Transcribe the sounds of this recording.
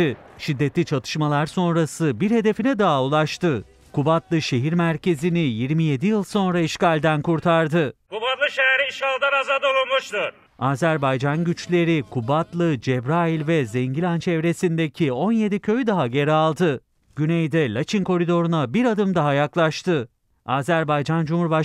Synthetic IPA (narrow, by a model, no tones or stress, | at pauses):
ʃid̪ːet̪lʲit͡ʃʰat̪ʰɯ̥ʃmalˠaɾso̞nɾasɯbiɾhe̞d̪e̞finɛd̪aɦaulˠaʃt̪ɯ | kʰubat̪lˠɯʃe̞ɦiɾmæɾcʰe̞zinijiɾmije̞d̪ijɯlˠso̞nɾaiʃcalʲd̪ænkuɾt̪ʰaɾd̪ɯkubat̪lˠɯʃejɛɾiiʃkʰalˠd̪anazad̪oulmuʃt̪ɯɾ | aːzæɾbajd͡ʒanɟyt͡ʃlʲe̞ɾikʰubat̪lˠɯd͡ʒɛbɾailʲvɛzɛɲɟilʲant͡ʃʰɛvɾe̞sind̪ecʰio̞nje̞d̪icʰø̞jyd̪aɦaɟe̞ɾɛalˠd̪ɯ | ɟ̥ynejd̪ɛlʲat͡ʃʰinkʰo̞ɾid̪o̞ɾunabiɾad̪ɯmd̪aɦajaklˠaʃt̪ɯ | aːzæɾbajd͡ʒand͡ʒumhuɾba